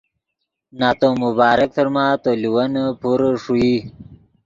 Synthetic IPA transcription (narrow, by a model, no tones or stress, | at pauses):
naːt̪omubaːɾək̚t̪əɾmaːt̪oliwɐnpuɾʂui